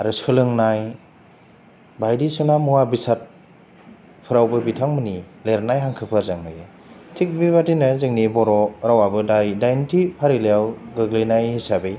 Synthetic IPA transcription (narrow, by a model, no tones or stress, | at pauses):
aɾɯsɯlɯŋnaj | bajdisɯnamuabisat̚ | pʰɯɾawbɯbitʰaŋmɯnileɾnajɦaŋkʰɯpʰɯɾzaŋnaje | tʰik̚biβatinazɯŋnibɔɾɔɾawabɯdajdajntʰipʰaɾilejawɡɯɡlenajhisabej